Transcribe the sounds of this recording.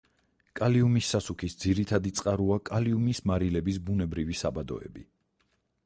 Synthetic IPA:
kʼaliumisːasukʰisd̪ziɾit̪ʰad̪it̪sʼqʼaɾuakʼaliumismaɾilɛbisbunɛbɾivisabad̪ɔ̰ɛ̰bi

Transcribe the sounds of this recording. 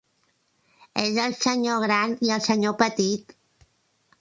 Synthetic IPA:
ezəlˠsəɲoɣ̞ɾaniəlˠsəɲopət̪it̪

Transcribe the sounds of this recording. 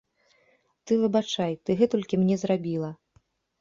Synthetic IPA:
t̪ɨvɨbat͡ʂajt̪ɨɣɛt̪ɔlʲkʲimnʲɛzrabʲilˠɐ

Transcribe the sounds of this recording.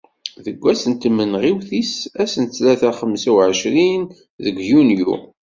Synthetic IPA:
ðəɡʷːæsənt̪mːənʁiwθisæsənt͡sːlæθæχəmsæwʕəʃɾin | ðəɡʷjunjṵ

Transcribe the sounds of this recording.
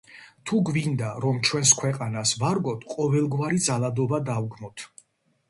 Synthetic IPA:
t̪ʰuɡvind̪aɾɔmt͡ʃʰwɛnskʰwɛqʼanasvaɾɡɔt̪ʰqʼɔvɛlˠɡwaɾid̪zalˠad̪ɔbad̪avɡmɔt̪ʰ

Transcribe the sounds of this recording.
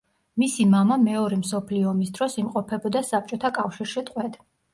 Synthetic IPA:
misimamamɛɔɾɛmsɔpʰliɔːmisd̪ɾɔsimqʼɔpʰɛbɔd̪asap̚t͡ʃʼɔt̪ʰakʼafʃiɾʃit̪ʼqʼwɛd̪̥

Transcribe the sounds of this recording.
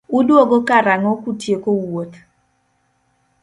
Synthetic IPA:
ʊdwoɡokaɾaŋɔkutjekowot̪

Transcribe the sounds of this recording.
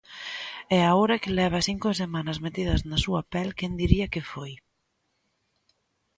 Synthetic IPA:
ɛaoɾɐkɪlɛβ̞ɐsiŋkosemãnɐzmet̪iðɐznɐsuɐpɛlkɛnd̪iɾiɐkɪfoj

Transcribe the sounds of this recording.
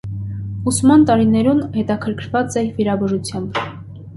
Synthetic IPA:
usmɑnt̪ɑɾinɛɾunhɛt̪ɑkʰəɾkʰɾvɑt͡sɛviɾɑbɔʒut͡sʰjɑmb

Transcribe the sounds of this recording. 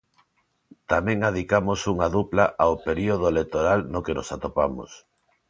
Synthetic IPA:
t̪amɛ̃ŋað̞ikamosuŋaðuplaʔaopeɾioð̞oelet̪oɾalnokeno̰sat̪opamo̰s

